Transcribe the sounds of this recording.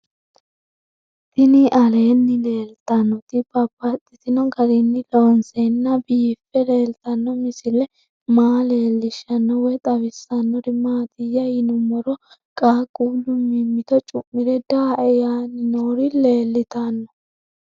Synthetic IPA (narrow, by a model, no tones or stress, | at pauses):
t̪ɪnɪʔɐle̞ːnːɪle̞ːlt̪ɐnːɔt̪ɪb̥ɐbɐt̪ʼːɪt̪ɪnɔɡɐɾɪnːɪlonsenːɐbiːfɛle̞ːlt̪ɐnːɔmɪsɪlɛ | maːle̞ːlːɪʃɐnːɔwɛt̪ʼɐβɪsːɐnːɔɾɪmaːt̪ɪjːɐjɪnʊmɔɾɔkʼaːkʼuːlːʊmɪmːɪt̪ɔt͡ʃʼʊmːɪɾɛd̪aːʔɛjaːnɪnoːɾɪle̞ːlːɪt̪ɐnːɔ̥